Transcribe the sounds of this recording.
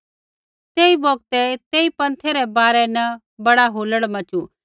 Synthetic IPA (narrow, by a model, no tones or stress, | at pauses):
t̪eːibɔːɡ̚t̪ɛt̪eːipɐ̃nt̪ʰeɾɛbaːɾɛnɐ | bɐɽaɦoːləɽmɐ̃t͡ʃu